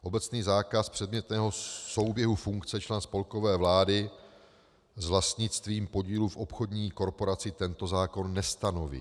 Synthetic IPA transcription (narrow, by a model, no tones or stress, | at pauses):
ʔo̞bɛt͡sniːzaːkaspr̝̥ɛd̪mɲɛt̪nɛːɦo̞so̞wbjɛɦufuŋkt͡sɛt͡ʃlɛnspo̞lko̞vɛːvlaːdɪ | zvlast̪ɲɪt͡st̪viːmpo̞ɟiːlufʔopxo̞dɲiːko̞ɾpo̞ɾat͡sɪt̪ɛnt̪o̞zaːko̞nːɛst̪ano̞vḭ